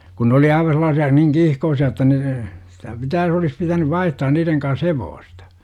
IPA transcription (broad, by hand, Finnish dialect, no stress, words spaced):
ku nĕ oli ɑiʋɑ selˑɑːsiɑ niŋ kiːhkoːsiɑ etːæ ne sitæ pitæː olis pitænyʋ ʋɑihtɑːn niːreŋ kɑns heʋoːstɑ̥